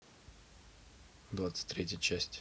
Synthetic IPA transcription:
d̪vat̪sɨ̥tʲt̪ʲːɾʲetʲjət͡ɕæsʲtʲ

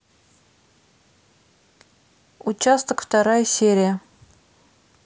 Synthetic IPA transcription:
ut͡ɕast̪əkft̪ɑɾɑjsʲeɾʲijə

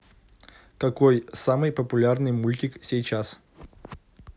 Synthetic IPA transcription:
kɐkojsamɨjpəpʊlʲarnɨjmulʲtʲɪksʲejt͡ɕas

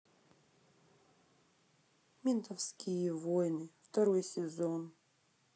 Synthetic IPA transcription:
mʲint̪ɐfskʲijəvojnɨft̪ɐɾojsʲɪzon

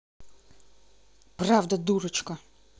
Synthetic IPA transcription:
prɑwd̪ɐd̪uɾɪt͡ʃkɐ

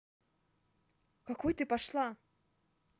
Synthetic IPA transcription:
kakɔjt̪ɨpaʂlˠa

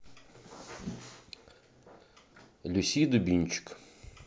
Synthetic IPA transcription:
lʲʊsʲijd̪ʊbʲinʲt͡ʃɪ̥k

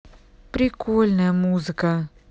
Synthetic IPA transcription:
pɾikʰoːlʲnamuːzika

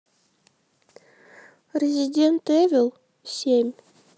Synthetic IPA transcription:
rʲezʲidʲent̪evʲɪlˠ | sʲemʲ

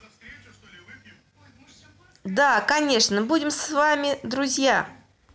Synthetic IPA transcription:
d̪akɐnʲe̞ʂnəbudʲɪmsvamʲɪd̪ɾʊzʲja

